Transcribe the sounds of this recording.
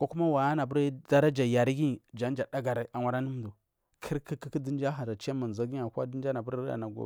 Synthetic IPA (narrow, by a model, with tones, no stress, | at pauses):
ko˦ku˦ma˦wa˨a˦na˨bu˦ɾda˦ɾa˦d͡ʒa˨ja˨ɾi˦ɡi˦˨d͡ʒa˨˦n˦d͡ʒa˨da˦ɡa˨ɾa˨a˨wʷa˨ɾa˦ni˦m˦du˨ | kʰi˦ɾki˦ki˦ki˦di˦d͡ʒa˦ɦa˨ɾa˨t͡ʃa˦ma˨n˨za˨˦ɡi˦a˨ka˦di˦nd͡ʒa˦na˨bu˦ɾa̰˨na˨ɡo̰˨